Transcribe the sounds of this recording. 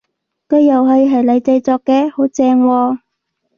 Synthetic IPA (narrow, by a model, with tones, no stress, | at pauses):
kɵː˧jɐ˨˩wɦɐ˨˧jɦɐ˨˩jlɐ˨˧jt͡sɐ˧jt͡sɔː˧kːɛː˧ho˨˥wt͡sɛː˧ŋwɔː˧